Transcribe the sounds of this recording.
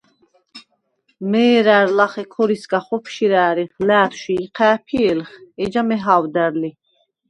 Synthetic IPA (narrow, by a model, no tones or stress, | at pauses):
mɛːɾæɾlaχɛkʰɔɾiskaχɔpʰʃiɾæːɾiχlæːt̪ʰʃiːqʰæːpʰiɛlχɛd͡ʒamɛɦawd̪æɾli